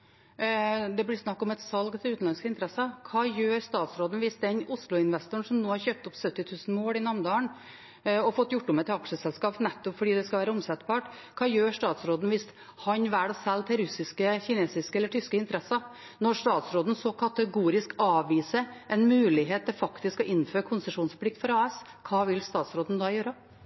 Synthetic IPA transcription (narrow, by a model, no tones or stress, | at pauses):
d̪ɛblɪɾsnɑkːɔmɛt̪sɑlɡt̪ʰɪlʉːt̪n̩lɑnskəɪnt̪əɾɛsɑkʰɑːjøːɾst̪ɑːt̪sɾoːd̪n̩ʋɪsd̪ɛnʊslʊɪnʋɛst̪ʊɳ̩ʂɔmnoːhɑɾçøːp̚t̪ʊpsœt̪ːɪt̪ʰʉːsn̩moːlɪnɑmnd̪ɑːəɳ | ɔfɔt̪ːjʊʈːʊmɛt̪ɑkʂəsɛlskɑːpnɛt̪ːɔpfɔɖiːd̪ɛskɑʋæːɾəʊmsɛt̪bɑːʈ | kʰɑːjøːʂʈ̪ɑːt̪sɾoːd̪n̩ʋɪs | hɑnʋæːɖɔsɛlːt̪ʰɪlɾʉsɪskəçɪneːsɪskəɛlːəʈʰʏskəɪnt̪əɾɛsːɑ | nɔɾʂt̪ɑːt̪sɾoːd̪n̩sɔkʰɑt̪əɡuːɾɪskɑːʋʋiːsəʔɛnmʉːlɪɦeːt̪ːɪlfɑkt̪ɪskɔʔɪnːføːɾəkʰʊnsəʂuːnspʰlɪk̚t̪fɔɾɑːɛs | kʰɑːʋɪlst̪ɑːt̪sɾoːd̪n̩d̪ɑːjøːɾə